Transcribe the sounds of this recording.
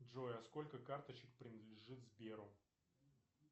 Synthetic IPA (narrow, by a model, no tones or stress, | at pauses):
dʐojɐsko̞lʲkəkart̪ət͡ɕɪk̚pɾʲɪnəd̪lʲɪʐɨt̪zbʲeɾʊ